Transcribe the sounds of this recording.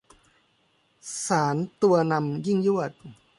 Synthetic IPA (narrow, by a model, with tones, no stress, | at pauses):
saː˩˦nt̪u˧ɐna˧mji˥˩ŋju˥˩ət̪̚